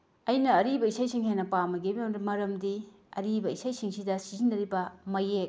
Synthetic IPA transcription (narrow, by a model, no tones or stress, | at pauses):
ɐjnɐːɾibɐisajsiŋɦajnɐpamɐɡibmmɐɾɐmdi | ɐ̰ɾibɐisajsiŋsidɐsizindɐɾibɐmɐjek̚